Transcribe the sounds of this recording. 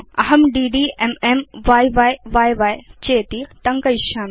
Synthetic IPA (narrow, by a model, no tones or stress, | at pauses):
ɐɦɐmɖiːɖiːʔememʋaːjʋaːjʋaːjʋaːjt͡ʃeːt̪it̪ɐŋkɐjʃaːn